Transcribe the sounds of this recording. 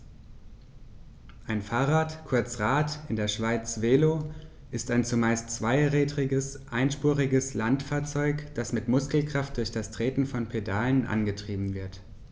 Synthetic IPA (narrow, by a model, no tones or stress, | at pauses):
ʔaɪnfaːʁaːtkʰʊɐt͡sʁaːtʔɪndeːɐʃv̥aɪt͡sv̥eːlo | ʔɪstaɪnt͡sumaɪstt͡sv̥aɪʁɛːdʁɪɡəsʔaɪnʃpuːʁɪɡəslantfaːɐt͡sɔʏkd̥asmɪtmʊskl̩kʁ̥aft̚d̥ʊɐçd̥astʁ̥eːtn̩fɔnpʰedaːlənʔa̰nɡətʁ̥iːbm̩vɪɐt